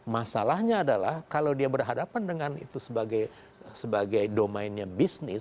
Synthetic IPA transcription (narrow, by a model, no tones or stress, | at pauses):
masalahɲaːdalahkalawdiabərɦadapandəŋanḭt̪usəbaɡaj | səbaɡajdomaɪnɲabisnɪs